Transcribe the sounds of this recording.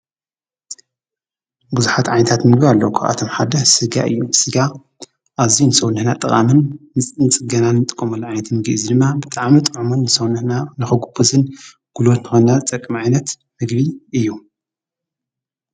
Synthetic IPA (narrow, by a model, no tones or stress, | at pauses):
buzuħat̪ʕajnɐt̪ʰat̪mɨɡbialːɐwukʰɐʔa̰t̪ʰomħad̪ɐsɨɡa̰ʔɨ̰jːusɨɡa | ʔaβzinɨsɐwnɨhnat̪ʼɨχʼa̰mɨnːɨt͡sʼɨnt͡sʼɨɡɐnanːɨt̪ʼɨ̥kʼːɐmɐlːɐʕajnɐt̪mɨɡiʔzid̪ɨmːabɨt̪ʼaʕmit̪ʼɨʕumunːɨsɐwnɨhnanɨxɐɡubɨzɨn | ɡ̥ulot̪nɨxonnazɨt̪ʼɐkʼːɨmʕajnɐt̪ | mɨɡbiʔɨjːu